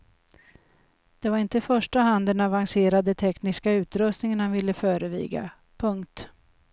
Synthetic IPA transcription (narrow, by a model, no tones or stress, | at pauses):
d̪̥ɛvaɾɪnt̪əɪfœʂʈaɦand̪ənavaŋseːɾad̪ət̪ʰɛknɪskaʉ̟ːt̪ɾɵst̪nɪŋənhanvɪlːəfœːɾəvḭːɡa̰ | pʰɵŋkt̪